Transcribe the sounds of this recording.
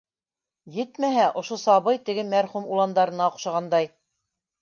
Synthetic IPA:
jɘ̆t̪mæɦæʔŏʃosɑβɤjt̪ɘ̆ɡɘmæɾχumulˠɑnd̪ɑɾɤ̆nɑoqʃɑ̆ʁɑnd̪ɑj

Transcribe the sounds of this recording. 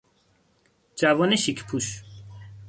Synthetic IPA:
d͡ʒævɔːneʃikʰpʰuʃ

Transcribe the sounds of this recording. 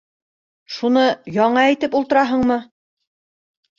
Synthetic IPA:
ʃunɤjɑɴɑæjt̪ɘpulˠt̪ɤ̆ɾɑɦɤɴmɤ

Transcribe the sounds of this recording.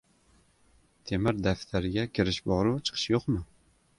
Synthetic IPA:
t̪ʰemɪɾd̪aft̪ʰaɾɪɡʲakʲʰɪɾɪʃbɒɾuwt͡ʃʰɨ̥qʰɨ̥ʃjoqmɪ

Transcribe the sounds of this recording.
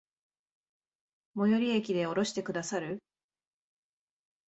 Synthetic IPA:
mo̞joɾʲiekʲid̪e̞o̞ɾo̞ɕi̥t̪e̞kɯ̟d̪asaɾɯ̟

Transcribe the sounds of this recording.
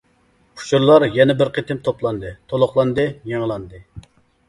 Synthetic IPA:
pʰu̥t͡ʃʰuɾlˠɑɾjɛnɛbɪɾqʰet̪ɪmt̪ʰoplˠɑnd̪ɨt̪ʰolˠʊχlˠɑnd̪ɨjeŋlˠɑnd̪ɨ

